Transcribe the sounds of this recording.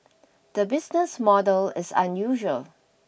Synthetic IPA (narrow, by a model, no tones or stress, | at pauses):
d̪̥əbɪsnəsmɔdəlɪsã̰njuʒəl